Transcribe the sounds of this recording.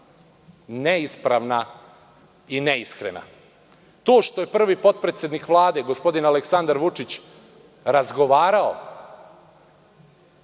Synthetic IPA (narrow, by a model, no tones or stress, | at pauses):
neispɾaʋna | ineiskɾḛna̰ | t̪o̞ːʃt̪o̞je̞pr̩ʋipo̞t̪̚pɾet̪sjed̪nikʋlˠaːd̪e̞ɡo̞spo̞d̪inaleksand̪aɾʋut͡ʂit͡ɕ | ɾazɡo̞ʋaːɾao̰